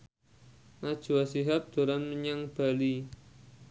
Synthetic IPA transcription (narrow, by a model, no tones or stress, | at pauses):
nad̥ʒ̥ṳasiɦap̚d̪̥o̤ɾanməɲaŋb̥a̤li